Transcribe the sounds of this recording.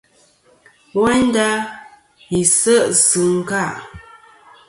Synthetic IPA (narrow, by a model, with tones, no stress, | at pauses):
wɛ˦n˦da˦ | i˨sə˦ʔsɨ˨ŋ̩˦ka˦˨ʔ